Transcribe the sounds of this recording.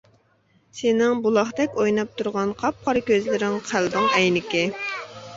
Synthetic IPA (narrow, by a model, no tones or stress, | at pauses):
sɪnɪŋbulˠɑχd̪ɛkʲojnɑp̚t̪ʰuɾʁɑnqʰɑp̚qʰɑɾkʲøzlɪɾɪŋqʰæld̪ɨŋɛjnɪkʲɪ